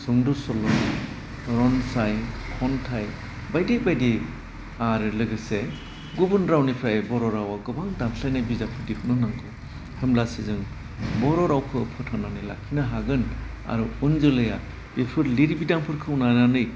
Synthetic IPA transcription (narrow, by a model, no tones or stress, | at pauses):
sɔŋdusɔlɔn | ɾɔnsajkʰɔntʰaj | bajdebajdi | aɾɯlɯɡɯse | ɡubɯnɾawnipʰɾajbɔɾɔɾawaɡɯbaŋdamɬʰajnajbizakʰɯdikʰunɯnaŋɡɯ | hɯmlasizɯŋ | bɔɾɔɾawkʰɯpʰɯtʰananɯjlakʰinaɦaɡɯn | a̰ɾuunzɯlɯja | b̥epʰɯɾliɾibidampʰɯɾkʰɯunananɯj